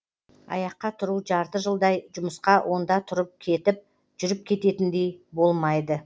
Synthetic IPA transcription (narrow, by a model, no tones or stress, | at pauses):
ɑ̰jɑqːɑt̪ʰʊɾuʒɑɾt̪əʒəlˠd̪ɑjʒʊməsqɑwʔo̞nd̪ɑt̪ʰʊɾəp̚kʲʰe̞t̪ɪp̚ | ʒ̥ʏɾɪp̚kʲʰe̞t̪e̞t̪ɪnd̪e̞jbo̞lˠmɑjd̪ə